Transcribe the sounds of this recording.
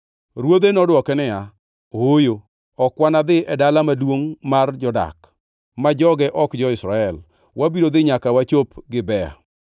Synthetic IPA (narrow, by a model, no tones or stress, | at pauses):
ɾwod̪enɔdwɔkɛnɪja | ojo | ɔkwanad̪ɪʔɛdalamadwoŋmard͡ʒɔda̰k | mad͡ʒɔɡɛʔɔkd͡ʒɔɪsɾaɛl | wʔabiɾod̪ɪɲakawat͡ʃopɡɪbɛa̰